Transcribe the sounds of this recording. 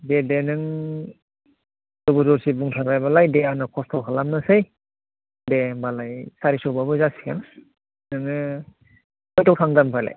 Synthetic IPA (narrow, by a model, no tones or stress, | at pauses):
dedenɯŋ | dɔbuzɔɾsibuŋtʰaɾajbalajdeanɯkʰɔstʰɔkʰalamnɯsɯj | debalajsaɾisɔwbabɯzasi̥kʰan | nɯŋɯ | ɔjtʰɔwkʰaŋdampʰajla̰j